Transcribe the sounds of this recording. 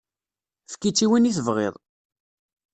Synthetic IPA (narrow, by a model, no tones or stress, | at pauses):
fkːit͡sːiwiniθəvʁḛðˤ